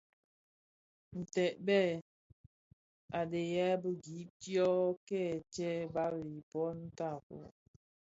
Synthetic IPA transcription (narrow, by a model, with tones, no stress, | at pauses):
n̩˨tɛ˨ʔ̚bɛ˦˨ | a˨de˨jɛ˦bə˦ɡi˨˦p̚tjɔ˦kɛ˦˨t͡ʃɛ˦ba˦ɾi˨pɔ˦n̩˦ta˦˨kɔ̰˨